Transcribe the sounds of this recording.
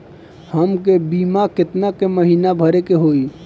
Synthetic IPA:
həmkebiːmakɪt̪nakeməɦiːnabʱəɾekeɦoːiː

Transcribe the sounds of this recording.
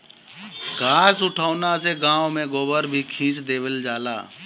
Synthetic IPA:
kaːsʊʈʰaːnaseɡãːwmẽɡoːbəɾbʱikʰĩːt͡ʃd̪eːʋəld͡ʒaːla̰ː

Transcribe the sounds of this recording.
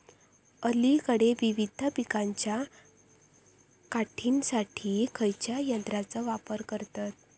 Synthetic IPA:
əlikəɽeʋiʋid̪ʱəpikaɲt͡ɕja | kaʈʰinsaʈʰiːkʰəjt͡ɕjajənd̪ɾat͡səʋapəɾkəɾt̪at̪̚

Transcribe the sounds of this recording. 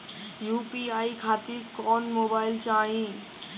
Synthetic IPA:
jupiaikʰat̪iɾkɔnmobailt͡ʃaːĩ

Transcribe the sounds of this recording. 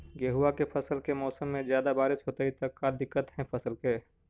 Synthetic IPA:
jəɦuːakepʰɐsəlkemɔːsəmːẽzjaːd̪abaːɾɪsɦoːt̪eit̪ɐkːad̪ɪkːət̪ɦɛ̃pʰɐsəlkeː

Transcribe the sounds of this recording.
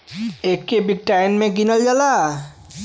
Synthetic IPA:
ekːebik̚ʈajnmɛɡinald͡ʒala

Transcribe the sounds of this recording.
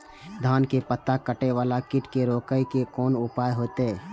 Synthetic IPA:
d̪ʱaːnkepət̪ːakəʈeʋaːlakɪʈkeɾoːkəjkekɔːnʊpaːjɦoːt̪eɦɛː

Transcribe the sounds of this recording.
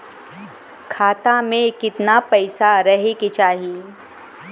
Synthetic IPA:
kʰaːt̪amẽkɪt̪napɛɪsaɾɐɦeket͡ʃaːɦie

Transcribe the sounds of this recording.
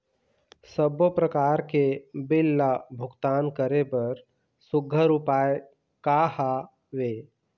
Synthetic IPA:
səbopɾəkaːɾkebɪlːabʱʊɡt̪aːnkəɾepɐɾ | sʊɡʱəɾʊpaːe | kaha | ʋeː

